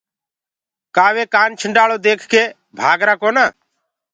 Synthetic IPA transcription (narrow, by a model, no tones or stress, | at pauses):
kaːʋeːkaːnt͡ʃʰəɳɖaːɭoːd̪eːkʰkeː | bʱaːɡɾaːkoːnaː